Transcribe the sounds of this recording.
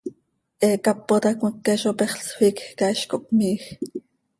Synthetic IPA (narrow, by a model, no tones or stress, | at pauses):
ʔɛːkɑpːot̪ɑkməkːeʃopɛχɬswiːkxkɑiʃkoʔk̚miːx